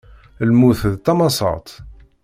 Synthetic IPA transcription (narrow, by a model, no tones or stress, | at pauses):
lmuθðt̪ːɑmɑsˤɑ̰t̪ˤ